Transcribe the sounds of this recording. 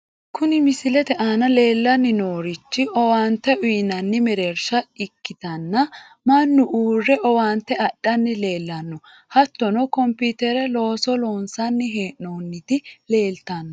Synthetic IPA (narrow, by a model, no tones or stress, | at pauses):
kʊnɪmɪsɪlɛt̪ɛʔanɐle̞ːlːɐnːɪnoːɾɪt͡ʃːɪʔɔwaːnt̪ːɛʔʊjnɐnːɪmɛɾɛɾʃɐɪkːɪt̪ɐnːɐ | mɐnːʊʔuːrːɛʔɔwaːnt̪ːɛɐɗːɐnːɪle̞ːlːɐnːɔ | hɐt̪ːɔnɔkɔmpiːt̪ɛɾɛlo̞ːsɔloːnsɐnːɪɦeːʔoːnːɪt̪ɪle̞ːlt̪ɐnː